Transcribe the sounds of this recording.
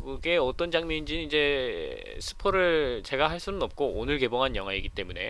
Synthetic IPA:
ɡɯɡe̞ʌt͈ʌnd͡ʑaŋmʌɲind͡ʑinɯnid͡ʑe̞ | sʰɯ̥pʰoɾɯɭt͡ɕe̞ɡaɦaɭs͈unɯnʌp̚k͈oonɯɭke̞boŋɦanjʌŋɦwaiɡit͈e̞mune̞̰

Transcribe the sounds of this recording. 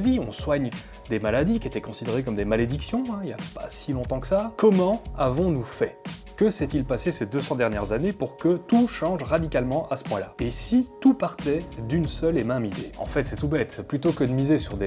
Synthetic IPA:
viɔ̃swaɲ | d̪emalad̪ikʲet̪ɛkɔ̃sid̪eʁekɔmd̪emaled̪iksjɔ̃ɛ̃ilja̰pasilɔ̃t̪ɑ̃kə̥sakɔmɑ̃avɔ̃nufɛkəsɛt̪ilpasesed̪øsɑ̃d̪ɛʁnjɛʁzanepuʁkət̪uʃɑ̃ʒʁad̪ikalmɑ̃ʔasə̥pwɛ̃la̰esit̪upaʁt̪ɛd̪ynsœlemɛ̃mid̪ḛɑ̰̃fɛt̪sɛt̪ubɛt̪plyt̪okəd̪əmizesyʁd̪e

